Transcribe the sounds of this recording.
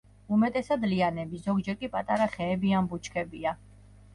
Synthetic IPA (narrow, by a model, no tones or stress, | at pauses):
umɛt̪ʼɛsad̪lianɛbizɔɡd͡ʒɛɾkʼipʼat̪ʼaɾaχɛːbiambut͡ʃʰkʰɛbia